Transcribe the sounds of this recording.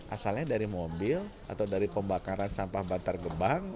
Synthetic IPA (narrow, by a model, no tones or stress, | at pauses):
ʔa̰salɲadaɾimobɪl | a̰t̪awdaɾipəmbakaɾansampahbant̪arɡəbaŋ